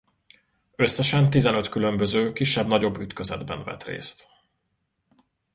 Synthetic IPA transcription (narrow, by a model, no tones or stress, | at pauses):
ø̞sːɛʃɛnt̪izɛnø̞t̪kylø̞mbøzøːkiʃːɛbnɒɟo̞bːyt̪køzɛ̰d̪bɛ̰nvɛ̰t̪rḛːst̪